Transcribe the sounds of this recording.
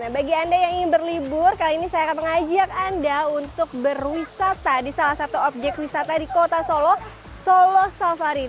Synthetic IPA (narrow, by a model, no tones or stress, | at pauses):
nahbaɡiandajaŋiŋɪnbərlibʊrkaliinisajakat̪aŋad͡ʒak̚andaunt̪ʊk̚bərwisat̪adisalahsat̪uɔp̚d͡ʒɛk̚t̪̚wisat̪adikot̪asolɔh | solɔhsalfaɾin